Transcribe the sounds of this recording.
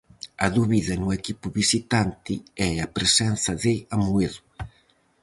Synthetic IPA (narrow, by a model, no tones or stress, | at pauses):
ɐðuβiðɐnʊɛkipʊβisit̪ant̪ɪɛapɾesɛn̟θɐðeamueðʊ